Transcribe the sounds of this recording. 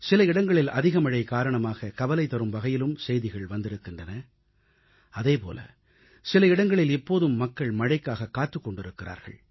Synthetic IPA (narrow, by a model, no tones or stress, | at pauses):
sɪlɐɪɽɐŋɡɐɭɪlɐ̰ðɪɣɐmɐɻɐɪkaːɾɐɳɐmaːɣɐkɐʋɐlɐɪt̪ːɐɾɯmbɐɣɐjɪlɯmsɛjðɪɣɐɭʋɐnd̪ɪɾɯkːɪndrɐnɐ | ɐðeːpo̰ːlʔɐ̰ | sɪlɐɪɽɐŋɡɐɭɪlɛpːoːðɯmːɐkːɐɭmɐɻɐɪkːaːɣɐkːaːt̪ːɯkːɔɳɖɪɾɯkːɪra̰ːɾɣɐ̰ɭ